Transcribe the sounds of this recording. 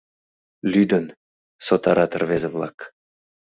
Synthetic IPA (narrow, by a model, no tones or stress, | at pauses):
lyd̪ə̆n | sot̪ɑɾɑt̪ə̆rβezĕvlˠɑk